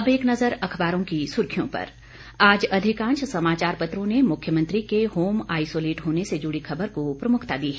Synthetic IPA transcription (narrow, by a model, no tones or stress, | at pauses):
ɐbeːknɐzəɾɐkʰbaːɾõkisʊɾkʰijõ̰pɐ̰ɾ | aːd͡ʒɐd̪ʱɪkãːnʃsɐmaːt͡ʃaːɾpɐt̪ɾõnemʊkʰjəmɐ̃nt̪ɾikehoːmaːisoːleːʈɦoːnesed͡ʒʊɽikʰɐbəɾkopɾɐmʊkʰt̪ad̪iːɦɛ